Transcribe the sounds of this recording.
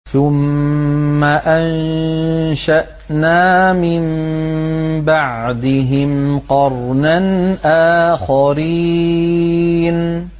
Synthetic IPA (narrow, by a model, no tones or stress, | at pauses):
θʊmː | aʔan | ʃaʔ | naːmɪm | baʕd̪ɪɦɪmqɑɾˤnanʔaːxaɾiː | n